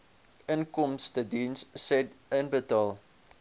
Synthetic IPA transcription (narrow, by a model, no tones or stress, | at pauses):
ənkɔmstədinsːɛtənbətɑːlˠ